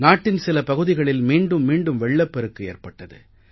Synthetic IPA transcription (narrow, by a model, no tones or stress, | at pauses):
naːʈːɪnsɪlɐpɐɣɯðɪɣɐɭɪlmiːɳɖɯmːiːɳɖɯmʋɛɭːɐpːɛɾɯkːɯḛːrpɐʈːɐðɯ̰